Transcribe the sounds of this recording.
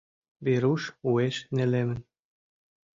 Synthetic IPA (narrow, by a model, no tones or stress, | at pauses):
βeɾuʃueʃnelemɘ̆n